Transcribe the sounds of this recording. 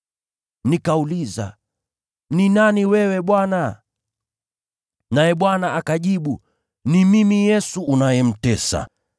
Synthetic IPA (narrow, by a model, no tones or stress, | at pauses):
nikauliza̰ | ninaniwɛwɛɓwana | najɛɓwanaʔakaʄiɓu | nimimijɛsuːnajɛm̩tɛsa̰